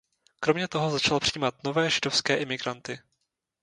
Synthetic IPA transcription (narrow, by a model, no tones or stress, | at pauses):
kɾo̞mɲɛt̪o̞ɦo̞zat͡ʃalpr̥iːmat̪no̞vɛːʒɪdo̞fskɛːʔɪmɪɡɾant̪ɪ